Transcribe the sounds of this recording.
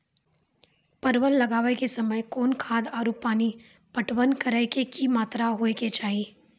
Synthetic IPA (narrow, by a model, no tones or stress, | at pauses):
pɐɾʋəlːɐɡaːʋekesɐməjkɔːnkʰaːd̪aːɾupːaːni | pɐʈʋənkəɾəkekimaːt̪ɾaɦoːeket͡ʃaːiː